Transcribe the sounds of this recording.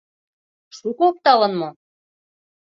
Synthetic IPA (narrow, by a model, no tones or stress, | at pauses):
ʃukook̚t̪ɑlɤ̆nmo